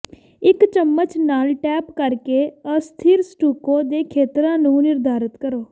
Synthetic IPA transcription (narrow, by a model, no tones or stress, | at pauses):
ɪkt͡ʃəmːət͡ʃnaːlʈɛːpkəɾkeːəst̪ʰiːɾsʈuːkõːd̪eːkʰeːt̪ɾãːnũːnɪɾd̪ʱaːɾət̪kəɾoː